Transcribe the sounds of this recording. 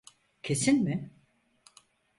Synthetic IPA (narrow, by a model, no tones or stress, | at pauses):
cʰe̞sinmɪ